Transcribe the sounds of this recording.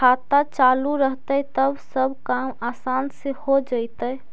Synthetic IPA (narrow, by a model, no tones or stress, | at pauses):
aːt̪at͡ʃaːluɾəɦt̪ət̪əbsəbkaːmaːsaːnsehod͡ʒait̪əɛ